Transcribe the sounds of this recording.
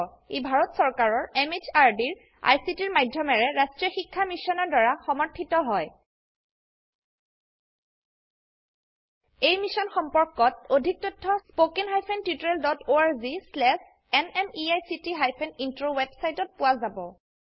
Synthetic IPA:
ejbʱaɹɔtsɔɹkaɹɔɹemed͡ʒaɹdiɹ | a̰jsitiɹmajdʱjɔmaɹɛɹastɹijɔxikʰːamisɔnɔɹdaɹaxɔmɔɹtʰːitɔɦɔj | ejmisɔnxɔmpɔɹkɔtodʱik̚tɔtʰːɔspokinɦajpʰɛntutɹeldɔtoaɹzislɛs | ɛnɛmiajsitiɦajpʰɛnintɹowebsajtɔt̚pʊwazabɔ

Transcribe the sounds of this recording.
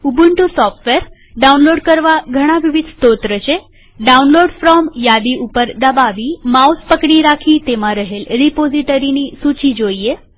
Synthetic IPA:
ubunʈusɔfʈʋeɾ | ɖaunloɽkəɾʋaɡʱəɽ̃ãʋiʋid̪ʱst̪ot̪ɾət͡ʃʰe | ɖaunloɽfɾɔmjad̪iʔupəɾd̪əbaʋimauspəkɽiɾakʰit̪emãɾəɦelɾipoziʈəɾinisut͡ɕid͡ʒoije

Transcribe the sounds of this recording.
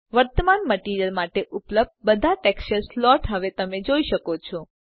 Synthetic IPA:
ʋəɾt̪əmanməʈiɾijəlmaʈeʔupləb̚d̪̚bəd̪ʱaʈekst͡ʃəɾslɔʈɦəʋet̪əmed͡ʒoiʃəkot͡ʃʰɔ

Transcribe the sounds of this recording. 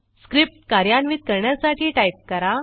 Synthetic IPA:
skɾip̚ʈkaɾjanʋiːt̪̚kəɾɳjasaʈʰiːʈajp̚kəɾa

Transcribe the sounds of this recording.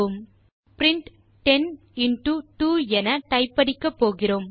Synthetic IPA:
ɯm | pɾɪɳʈ | ʈɛn | ɪnʈuʈuːɛnɐt̪ɐɪpːɐɽɪkːɐpːoːɣɪroːm

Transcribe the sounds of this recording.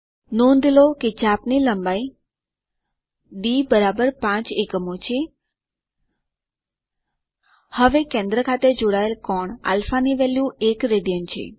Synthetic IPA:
nond̪loked͡ʒapniləmbai | ɖibəɾabəɾpãt͡ʃekəmot͡ʃʰe | həʋekẽnd̪ɾəkʰat̪ed͡ʒoɽaelkɔɳa̰lfaniʋeljũekɾeɖijənt͡ʃʰḛ

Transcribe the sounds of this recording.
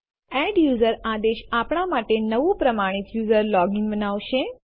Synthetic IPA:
ɛɖjuzəɾad̪eʃapɳ̃amaʈenəʋũpɾəmaɽ̃it̪juzəɾlɔɡinbənaʋʃe

